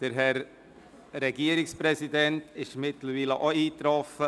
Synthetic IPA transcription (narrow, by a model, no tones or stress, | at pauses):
d̥əɾɦɛɾ | ɾɛɡiəɾɪkspɾɛsidɛntɪʃmɪtləɾviːləʔoiːtɾɔfə